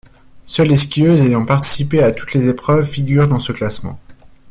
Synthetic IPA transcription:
sœleskʲiøzejɑ̃paʁt̪i̥sipeat̪u̥t̪lezepχœvfiɡʲyːʁd̪ɑ̃səklasmɑ̰̃

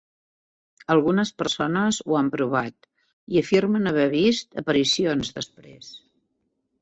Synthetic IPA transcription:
əlˠɣunəspəɾsonəzuampɾuβ̞at̪ | iəfirmənəβɛβ̞ist̪əpəɾisionzðəspɾḛs

